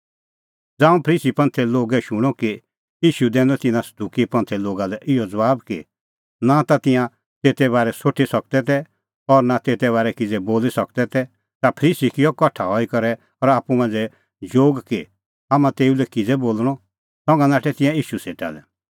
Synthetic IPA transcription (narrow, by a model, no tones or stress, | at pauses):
d͡zaːũpʰəɾiːsipɐ̃nt̪ʰɛloːɡɛʃʊɽ̃ɔki | iːʃud̪ɛ̃ːnd̪ɔt̪ɪnãsɐ̥d̪ukipɐ̃nt̪ʰɛloːɡalɛʔɪɔd͡zɐʋaːbkḭ | nat̪at̪ɪ̃jã | t̪eːt̪ɛβaːɾɛsoːʈʰisɐk̚d̪ɛt̪ɛ | ɔɾnat̪eːt̪ɛβaːɾɛkɪd͡zɛboːlisɐk̚d̪ɛt̪ɛ | t̪apʰɾiːsikɪjɔkɔʈʰaɦɔikɔɾɛ | ɔɾaːpumãnd͡zɛ | d͡ʒoːɡki | aːmãt̪eːulɛkid͡zɛboːlɽ̃ɔ | sɔ̃ŋɡãnaːʈʰɛt̪ɪ̃jãiːʃuseːʈa̰lɛ